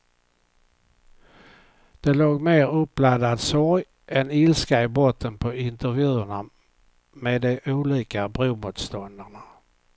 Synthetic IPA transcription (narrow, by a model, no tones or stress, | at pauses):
d̪̥ɛloːɡmeːɾɵpːlad̪ad̪sɔɾj | ʔɛnɪlskaɪbɔt̪ʰːənpʰɔɪnt̪əɾvjʉ̟ːəɳa | meːd̪ɛʔuːliːkabɾumuːt̪st̪ɔnd̪əɳa